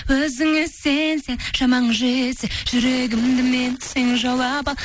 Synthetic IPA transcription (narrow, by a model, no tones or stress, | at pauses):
wɵzɪŋɪsense̞nʒ̥ɑmɑɴʒeseʒ̥ʏɾeɡʲɪmd̪ɪmenseŋʒolˠɑbɑlˠ